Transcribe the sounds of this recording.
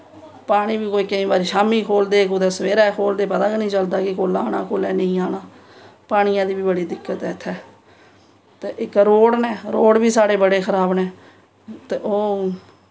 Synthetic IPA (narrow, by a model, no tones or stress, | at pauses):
paːɽ̃ĩːbiːkoːiːkəĩːbaːɾiːʃaːmiːkʰoːld̪eːkʊd̪eːsəʋeːɾɛːkʰoːld̪eːpət̪ãːknĩːt͡ʃəld̪aːkɪkoːlaːɽaːkoːlɛːnəĩːaːnaː | paːɽ̃ɪjãːd̪iːbiːbəɽiːd̪ɪkːət̪ɛːt̪ʰːɛː | t̪eːʔɪkɾoːɽnɛːɾoːɽbiːsaːɽeːbəɽeːkʰəɾaːbnɛ̃ː | t̪eːʔoː